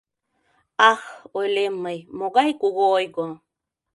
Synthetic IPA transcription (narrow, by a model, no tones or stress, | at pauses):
axoelemːəjmoɣajkuɣojko